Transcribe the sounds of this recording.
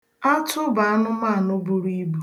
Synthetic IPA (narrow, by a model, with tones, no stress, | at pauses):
a˦tʊ˦ba˨a˦nʊ˦ma˦˨nʊ˦bu˨ɾi˦bu˦